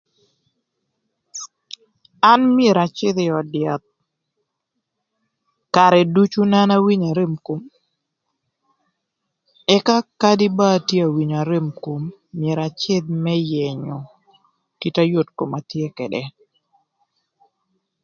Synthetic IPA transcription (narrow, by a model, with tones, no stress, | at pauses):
a˦nmɪe˨ɾa˨t͡ʃɪ˦d̪ɪɔ˨dja˨t̪̚ | ka˨ɾɛ˨du˦t͡ʃu˦na˦na˦wi˦ɲa˨ɾe˦mko˦m | ɛ˦ka˦ka˦dɪ˦ba˦tje˦a˨wi˨ɲa˨ɾe˦mko˦mːɪe˨ɾa˨t͡ʃɪ˦d̪̚mɛ˦jɛ˨ɲɔ˨ | ki˦ta˦jo˦tko˨ma˨t̪je˦kɛ˨dɛ˨